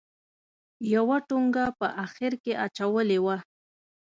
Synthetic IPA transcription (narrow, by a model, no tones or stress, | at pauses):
jawaʈʊŋɡapaʔaxɪɾkɪʔat͡ʃawəlɪwa